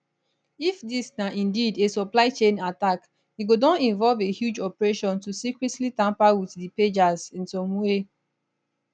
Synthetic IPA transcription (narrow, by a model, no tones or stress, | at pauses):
ifdisnaʔĩndidesɔplaɪt͡ʃẽnatak | iɡodãnĩnvɔlvehjud͡ʒɔpɹeʃɔ̃ntusikɹɛtlitãmpawiθdiped͡ʒazĩnsɔ̃mwe